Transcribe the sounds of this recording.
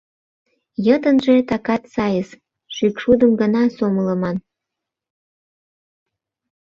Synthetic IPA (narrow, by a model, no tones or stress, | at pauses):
jət̪ənʒet̪ɑkɑt̪sɑjəs | ʃykʃud̪əmɡənɑsomələmɑn